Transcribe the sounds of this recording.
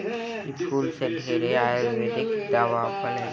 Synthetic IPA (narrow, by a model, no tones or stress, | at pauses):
ɪskuːlseɖʱeːɾeaːjelmẽd̪ekʰd̪aːʋapəɳe